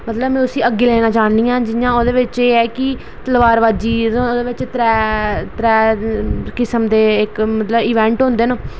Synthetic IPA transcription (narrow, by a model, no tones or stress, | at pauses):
mət̪ləbmɛ̃ːʊsĩːəɡːeːlɛːnãːt͡ʃaːniːãːd͡ʒɪjãːoːd̪eːʋɪt͡ʃeːɛːkɪ | t̪əlʋaːɾʋaːd͡ʒiːõoːd̪eːʋɪt͡ʃt̪ɾɛːt̪ɾɛː | kɪsəmd̪eːɪkmət̪ləbiːʋɛ̃ːɳʈɦʊ̃nd̪eːnõː